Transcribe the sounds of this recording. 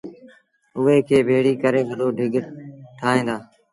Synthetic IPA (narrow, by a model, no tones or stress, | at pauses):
ʊɦeːkʰeːbʱeːɽiːkəɾeːʋəd̪oːɖʱɪɡʈʰaːɦẽːnd̪aː